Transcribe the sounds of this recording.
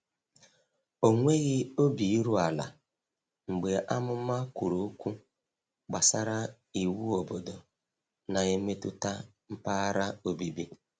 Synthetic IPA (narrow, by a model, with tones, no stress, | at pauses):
o˨ŋʷe˦ɣɪ˦o˦bi˨i˦ɾu˦a˨la̰˨ | ŋ͡m̩˨ɡ͡be˨ʔa˦mʊ˦ma˦ku˨ɾo˨˦kʷu˦ | ɡ͡ba˨sa˦ɾa˦ | i˨wu˦o˨bo˨dɔ˨ | na˨e˦me˦tʊ̰˦ta˦ | m̩˦pa˦a˦ɾa˦o˨bi˨bi˦